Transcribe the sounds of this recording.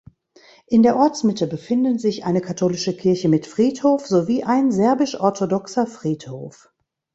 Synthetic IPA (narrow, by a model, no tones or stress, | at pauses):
ʔɪndeːɐʔɔɐt͡smɪtəbəfɪndənzɪçʔaɪnəkʰatʰoːlɪʃəkʰɪɐçəmɪtfʁ̥iːthoːfz̥oviːʔaɪnzɛɐbɪʃʔɔɐtʰodɔksɐfʁ̥iːtho̰ːf